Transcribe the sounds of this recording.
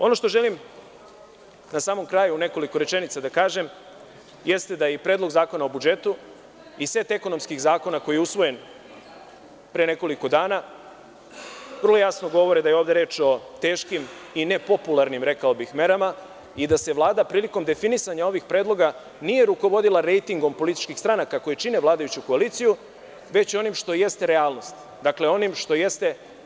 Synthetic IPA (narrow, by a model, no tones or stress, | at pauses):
o̞no̞ʃt̪o̞ʒelim | nasaːmo̞mkɾaːjuːne̞ko̞likoɾe̞t͡ʃe̞nit̪sad̪akaːʒe̞m | je̞st̪e̞d̪aipɾe̞ːd̪lo̞ɡzaːko̞naobud͡ʒe̞t̪u | ise̞t̪e̞konomskiɣzaːko̞nako̞jijeusʋo̞je̞n | pɾejene̞ko̞liko̞d̪aːna | ʋər̩lˠojjasno̞ɡo̞ʋo̞ɾed̪ajeoʋd̪e̞ɾe̞ːt͡ʃo̞t̪e̞ːʃkimine̞po̞pulˠaɾnimɾe̞kao̞bixme̞ɾama | id̪ase̞ʋlˠaːd̪apɾiːliko̞md̪e̞finisaɲao̞ʋixpɾe̞ːd̪lˠo̞ɡa | nije̞ɾuko̞ʋo̞d̪ilaɾe̞jt̪iŋɡo̞mpo̞lit̪i̥t͡ʃkixst̪ɾanakako̞jit͡ʃine̞ʋlˠaːd̪ajut͡ɕuko̞aliːt̪siju | ʋe̞t͡ɕo̞nimʃt̪o̞je̞st̪e̞ɾe̞aːlˠno̞st̪ | d̪akle̞o̞nimʃt̪o̞je̞st̪e̞